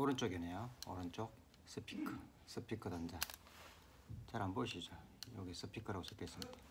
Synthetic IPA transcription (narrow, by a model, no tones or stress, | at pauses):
oɾɯnt͡ɕ͈oɡenejoʌ̰ɾɯnt͡ɕ͈ok̚ | s͈ʰɯpʰi̥kʰɯ | s͈ʰɯpʰikʰɯdand͡ʑa | t͡ɕaɾɦamboɕʰid͡ʑojoɡis͈ʰɯpʰikʰɯɾaɡosʰɯk͈es͈ɯmɲid̥a